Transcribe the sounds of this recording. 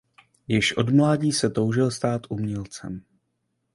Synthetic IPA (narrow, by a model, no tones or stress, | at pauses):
jɪʃʔo̞̰dmlaːɟiːsɛt̪o̞wʒɪlst̪aːt̪ʔumɲɛlt͡sɛ̰m